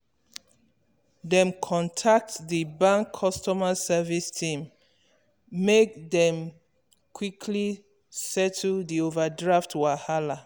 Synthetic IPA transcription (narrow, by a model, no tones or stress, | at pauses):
dɛ̃mkʰɔ̃ntʰak̚tdibãŋkʰːɔstɔmasɛvistʰĩm | ek̚dɛ̃m | kʰwikʰli | sɛtʰldiovadɹaftwahala